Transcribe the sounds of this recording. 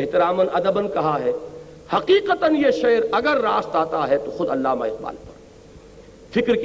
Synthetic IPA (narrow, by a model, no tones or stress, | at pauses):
ɦt̪ɪɾaːmənɐd̪əbənkɐɦaɦɛː | hɐqiːqət̪ənjeʃeːɾɐɡəɾːaːst̪aːt̪aɦɛt̪oxʊd̪ɐlːaːma̰ɪq̚ba̰ːlpɐɾ | fɪkɾk